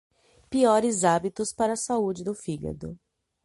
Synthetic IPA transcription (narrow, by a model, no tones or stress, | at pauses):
piɔɾɪzabit̪ʊspaɾɐːsaud͡ʒɪd̪ʊfiɡɐ̰d̪ʊ̰